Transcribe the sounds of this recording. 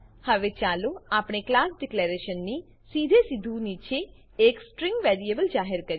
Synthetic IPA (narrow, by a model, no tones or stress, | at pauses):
həʋet͡ʃaloapɳ̃eklaːsɖɪkleɾeʃənːi | sid̪ʱesid̪ʱunit͡ʃʰe | eksʈɾɪ̃ŋɡʋeɾiebəld͡ʒaːɦɪɾkəɾ